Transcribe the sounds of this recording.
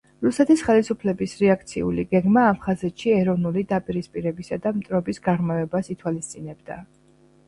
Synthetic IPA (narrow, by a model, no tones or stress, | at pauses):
ɾusɛt̪ʰisχɛlisupʰlɛbisɾɛak̚ʰt̪sʰḭṵliɡɛɡmaːp̚ʰχazɛt̪ʃiɛɾɔvnulid̪apʼiɾispʼiɾɛbisad̪amt̪ʼɾɔbisɡaʁmavɛbasit̪ʰwalist̪sʼinɛbd̪a̰